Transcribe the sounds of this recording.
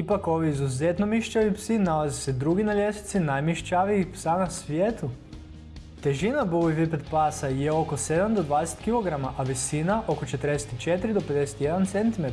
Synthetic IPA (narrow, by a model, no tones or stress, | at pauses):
ipako̞ʋiːzuzet̪no̞miʃt͡ʃaʋipsinalazised̪ɾuɡinaljesi̥t̪sinajmiʃt͡ʃaʋiipsanasʋjeːt̪u | t̪e̞ʒinabuʋivipet̪pasajeo̞ko̞se̞d̪amd̪od̪ʋaːd̪ese̥t̪kilˠo̞ɡɾamaʔaʋisinaʔo̞ko̞t͡ʃet̪əɾd̪eset̪it͡ʃet̪ɾid̪o̞pe̞d̪ese̥t̪ije̞d̪ant̪se̞nt̪imet̪